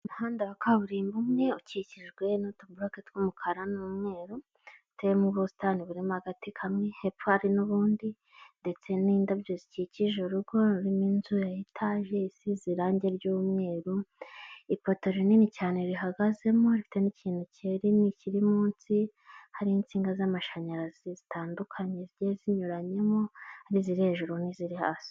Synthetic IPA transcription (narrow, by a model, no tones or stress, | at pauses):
muhaːndaβakʰaβuɾiːmbumŋe̞uciciʒɡwe̞nutubuloketkumukʰaɾanumŋe̞ːɾo | teemuβusi̥taniβuɾemohaɡatikʰamŋehepohaɾinuβuːndi | nde̞t͡se̞niːndabɟoziciciʒeɾuɡo̞ɾiminzujajitʰaːʒe̞isiziɾaːɲɟe̞ɾɟuːmŋe̞ːɾu | ipo̞to̞ɾininicaːneɾiɦaɡaze̞mo̞ɾifi̥teniciːn̥uceɾiniciɾimuːnsi | haɾiint͡siːŋɡazamaʃaɲaɾazizitʰaːndukʰaɲe̞ɾɟeziɲuɾaɲe̞mo̞haɾiziɾihe̞ʒuɾoniziɾiha̰ːsi̥